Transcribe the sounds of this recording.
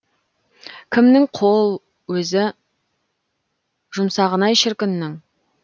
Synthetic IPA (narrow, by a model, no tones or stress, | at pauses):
kʲʰɪmnɪŋqʰolˠ | wɵzɪ | ʒ̥ʊmsɑʁənɑjʃɪɾkʲɪnːɪŋ